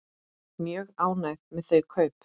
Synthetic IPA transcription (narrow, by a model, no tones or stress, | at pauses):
mjœɣaːwnajðmɛðθœɥkʰœːɥp